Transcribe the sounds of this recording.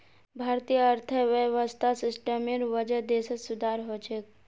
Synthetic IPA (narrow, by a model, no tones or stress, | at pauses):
bʱaːɾt̪ijəɐɾt̪ʰəʋəʋəst̪ʰasɪsʈəmẽɾʋəd͡ʒəd̪eːsəsʊd̪ʱaːɾɦoːt͡ʃek̚